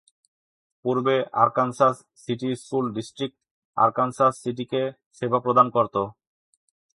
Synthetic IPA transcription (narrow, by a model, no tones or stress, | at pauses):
puɾbeʔa̰ɾkansas | siʈiskulɖisʈɾik̚ʈ | a̰ɾkansasːiʈ̬ike | ʃebʱapɾod̪ankoɾt̪o